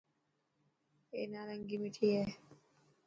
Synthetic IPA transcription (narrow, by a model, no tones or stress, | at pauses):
ḛnaːlɐŋɡimiʈʰijeː